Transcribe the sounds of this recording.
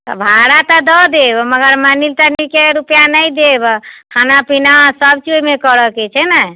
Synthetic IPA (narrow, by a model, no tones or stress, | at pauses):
t̪ɔ̰bʱaɽat̪ɔd̪ɔd̪ebɔməɡəɾmanilt̪ənikeɾupjanəjd̪ebɔkʰanapinasəb̚t͡ʃojmekəɾəket͡ʃʰɛnə